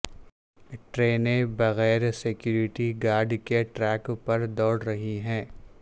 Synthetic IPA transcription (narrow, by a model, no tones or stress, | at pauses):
ʈɾeːnẽbɐɣɛːɾsɪkjuːɾɪʈiɡaːɾɖkeʈɾɛːkpɐɾd̪ɔːɽɾɐɦiɦɛ̃ː